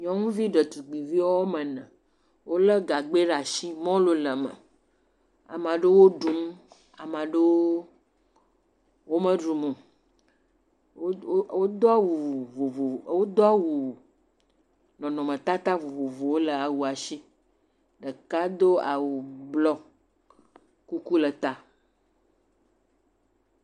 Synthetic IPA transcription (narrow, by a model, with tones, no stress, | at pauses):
ɲɔ̃˦ŋũ˦vi˦ɖə˨t̪u˨ɡ͡bi˨vi˦wo˦o˦mə̃˨nə̃˨ | wʔo˦lə˦ɡa˨ɡ͡be˦ɖa˨ʃi˦mɔ̃˦lo˨lə˨mə̰̃˨ | a̰˨mã˨ɖe˦wo˦ɖu˨m˦ | a̰˨mã˨ɖe˦w | wo˦mə̃˦ɖu˨mũ˨˦ | wo˦d̪o˦a˦wu˨vo˨vo˨wo˦d̪ɔ˦a˦wu˨ | nɔ̃˨nɔ̃˨mə̃˨t̪a˦t̪a˦vo˨vo˨vo˨wo˦lə˨a˨wu˨a˨ʃi˦ | ɖə˨ka˦d̪o˦a˨wu˨blɔ˦ | ku˦ku˦lə˨t̪a˦